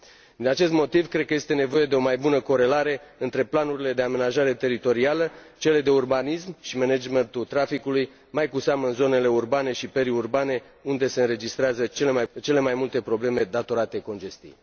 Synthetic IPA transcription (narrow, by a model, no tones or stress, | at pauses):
dd̪inat͡ʃe̞st̪mo̞t̪ivkɾe̞d̪̚kəje̞st̪e̞ne̞vo̞je̞d̪e̞o̞majbunəko̞ɾe̞laɾe̞ɨnt̪ɾe̞planuɾile̞d̪e̞ame̞naʒaɾe̞t̪e̞ɾit̪o̞ɾialət͡ʃe̞le̞d̪e̞urbanismʃimened͡ʒment̪ut̪ɾafikuluj | majkuseaməɨnzo̞ne̞le̞urbane̞ʃipeɾiurbane̞ | und̪e̞se̞ɨnɾe̞d͡ʒist̪ɾeazət͡ʃe̞le̞majt͡ʃe̞le̞majmult̪e̞pɾo̞ble̞me̞d̪at̪o̞ɾat̪e̞ko̞nd͡ʒe̞st̪ḭj